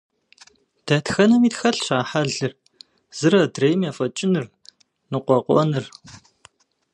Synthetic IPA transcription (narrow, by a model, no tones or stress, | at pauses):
d̥ɐtxɐnɐmiːtxɐɬɕaːħaɮɨr | z̥ɨrɐdreːjmjaːfɐt͡ʃʼɪnɨr | nɨqʷɔqʷɔ̰nɨr